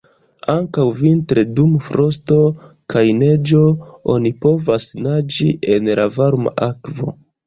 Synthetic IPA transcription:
aŋkawvintɾe̞dumfɾo̞sto̞kajne̞d͡ʒo̞o̰nipo̞vasnad͡ʒiʔenla̰vaɾma̰ʔakvo̞̰

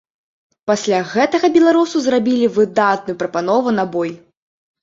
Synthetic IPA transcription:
pasʲlʲaɣɛt̪ɐɣɐbʲɛlˠaɾusuzrabʲilʲivɨd̪at̪̚nujupɾɐpanɔvunabɔj

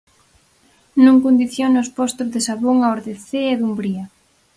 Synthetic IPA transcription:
nũŋkond̪iθjonʊspɔst̪ozðesaβoŋaoɾðeθeɛðumbɾiɐ

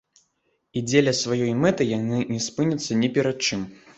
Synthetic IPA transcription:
id͡zʲelʲɐsvajɔjmɛt̪ɨjanɨnʲɛspɨnʲɐt̪sːɐnʲɛpʲɛɾat̪̚t͡ʂɨm

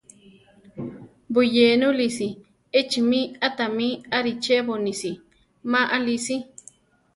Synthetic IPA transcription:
bujeːnulisi | et͡ʃimĩat̪amĩaɾit͡ʃeβonisi | maʔalisi

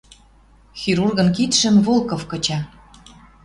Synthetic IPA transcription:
xiɾurɣɤ̆nkit̪ʃə̆mvolˠkofkɤ̆t͡ɕɑ

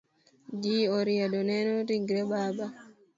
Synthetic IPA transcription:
d͡ʒiːɔɾijaɗɔnɛnɔɾiŋɡɾɛbaba

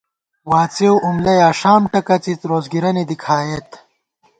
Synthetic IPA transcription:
waːt͡sewʔumlɐjaːʂaːmʈɐkɐt͡sit͡sɾoːzɡiɾɐnid̪ikʰaːjɐt̪

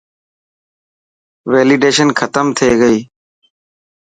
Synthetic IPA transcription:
ʋeːliːɖeːʃənkʰət̪əmt̪ʰeːɡəiː

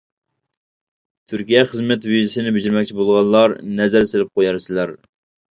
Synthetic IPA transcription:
t̪ʰyɾkʲijɛχəzmɛt̪vizɪsɪnɪbɪd͡ʒɪɾmɛkʲt͡ʃʰibolˠʁɑnˠːɑɾnɛzæɾselɪp̚qojɑɾsɪlæɾ

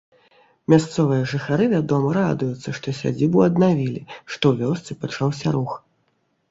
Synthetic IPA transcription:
mʲast̪sɔvɨjɐʐɨxaɾɨvʲad̪ɔmɐɾad̪ujut̪sːɐʂt̪ɔsʲa̰d͡zʲibuɐd̪navʲilʲiʂt̪ɔwvʲɔst̪sɨpat͡ʂawsʲɐɾux

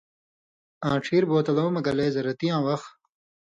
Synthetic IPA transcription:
ãːʈ͡ʂʰiːɾboːt̪ɐloːmɐɡɐleːzɐɾɐt̪iãːwɐx

